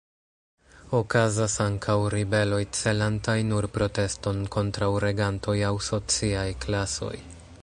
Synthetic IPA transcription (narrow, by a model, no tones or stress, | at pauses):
o̞kazasaŋkʰawɾibe̞lo̞jt͡se̞lantajnuɾpɾo̞te̞sto̞nko̞ntɾawɾe̞ɡantʰo̞jawso̞t͡siajklaso̞̰j